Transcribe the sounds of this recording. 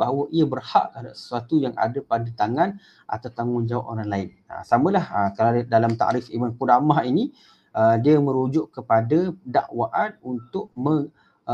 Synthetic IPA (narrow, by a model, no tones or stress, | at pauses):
baɦawəʔiabərha̰ʔadasə̥suat̪ujaŋʔa̰dapadat̪aŋan | ʔa̰t̪awt̪aŋʊnd͡ʒawa̰ʔ̚oɾaŋlaɪn | ə̰samə̃lahəkaladalamt̪a̰ʔɾɪfimankudamaɦini | ʔədiəmə̃ɾud͡ʒʊʔkəpadada̰ʔwaʔanunt̪ʊʔməŋ